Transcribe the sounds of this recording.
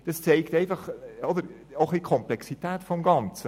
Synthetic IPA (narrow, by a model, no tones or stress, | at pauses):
d̥ɑst͡sɛɪktɛɪfɑχɔdəɾ | oχlikʰɔmplɛksitɛːtfɔmɡɑnt͡sə